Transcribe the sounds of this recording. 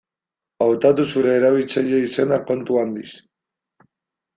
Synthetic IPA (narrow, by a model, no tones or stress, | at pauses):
awt̪at̪usuɾe̞ːɾaβ̞ilt͡saʎe̞ise̞nako̞nt̪uand̪is